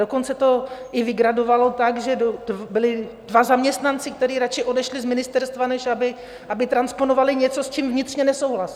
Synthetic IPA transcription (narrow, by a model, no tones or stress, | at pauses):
doko̞nt͡sɛt̪o̞ʔɪvɪɡɾado̞valo̞t̪aɡʒɛdobɪlɪ | dvazamɲɛst̪nant͡sɪk̚t̪ɛɾiːɾat͡ʃɪʔo̞dɛʃlɪzmɪnɪst̪ɛɾst̪vanɛʃabɪ | ʔabɪt̪ɾanspo̞novalɪɲɛt͡so̞st͡ʃimvɲɪt̪r̥ɲɛnɛso̞wɦlas